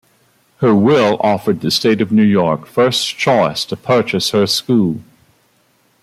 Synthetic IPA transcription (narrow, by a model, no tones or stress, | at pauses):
hə˞wɪlˠʔɔfə˞d̪̚ðɨsteɪɾʌvnʉjɔɹkfɜ˞st͡ʃʰɔɪstʰɨpʰɜ˞t͡ʃɨshə˞skulˠ